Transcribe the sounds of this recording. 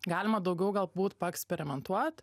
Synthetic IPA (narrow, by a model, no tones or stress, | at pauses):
ɡɑːlʲɪmɐd̪ɐʊɡʲɛʊɡɐlˠbuːt̪pɐɛksʲpʲɛɾʲɪmʲɛnt̪uɔt̪